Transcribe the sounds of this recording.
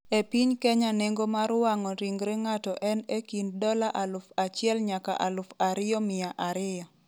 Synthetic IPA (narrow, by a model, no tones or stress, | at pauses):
epiɲkɛɲaneŋɡomaɾwaŋɔɾiŋɡɾɪŋatɔʔɛnekindɔlaʔalʊfat͡ʃɪɛlɲaka̰ʔalʊfaɾɪjɔmɪjaʔaɾɪjɔ